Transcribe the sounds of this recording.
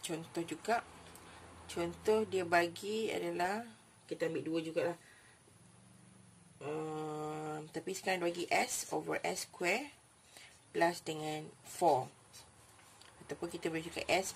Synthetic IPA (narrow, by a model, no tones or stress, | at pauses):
t͡ʃɔnt̪ɔhd͡ʒuɡaʔ | t͡ʃɔnt̪ɔhdiəbaɡia̰dəlah | kit̪əambɪʔduəd͡ʒuɡaʔlah | ə | mt̪apiskãnbaɡiʔɛsovə̰ʔɛskwɛ | plasdəŋãnfɔ | at̪awpʊnkit̪abaid͡ʒuɡa̰ʔɛs